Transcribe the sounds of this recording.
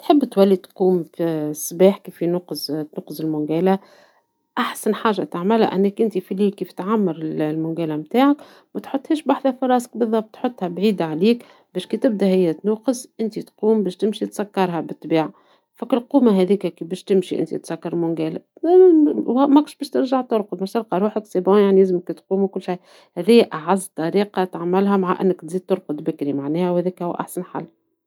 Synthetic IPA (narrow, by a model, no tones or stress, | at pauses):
t̪ħɪbːt̪wælːit̪quːmfisbaːħkiːfinuːqzt̪nuːqɨzɪlmʊŋɡæːla | ʔaħsænħaːʒat̪aʕmɪlha̰ʔænːækʔɪnt̪ifiliːlkiːft̪ʕamːɑɾɪlmʊŋɡæːlæmt̪aːʕak | mæt̪ħʊt̪ˤːhiːʃbaħðæfɑɾˤɑːsɪ̥k̚bɨðˤːɑb̚t̪ħot̪ˤːhæbʕiːd̪aʕaliːk | bɛːʃkiːt̪ɪb̚d̪ahɪjːæt̪nuːqɨzʔɪnt̪it̪quːmbɛːʃt̪ɪmʃit̪sækːɑɾˤɦɑbɨt̪ˤːbiːʕa | fækːɪlquːmaɦɛðiːkækibɛːʃt̪ɪmʃiʔɪ̰nt̪ḭt̪sækːɑɾˤmʊŋɡæːl | mækʊʃbɛːʃt̪ɪɾʒaʕt̪ʊɾˤqʊd̪mæʃt̪ɑɾqɑɾˤuːħəksebojaʕniæzmkt̪quːmwkʊlːʃaj | hæðijːæʔaʕazːt̪ːˤɑɾiːqɑt̪ʕamːɪlɦæmaʕaʔɪ̰nːəkt̪ziːd̪̚t̪ʊɾˤqʊd̪bɪkɾimaʕnɛːhæwhæːðiːkhʊwːæ̰ʔa̰ħsænħa̰lː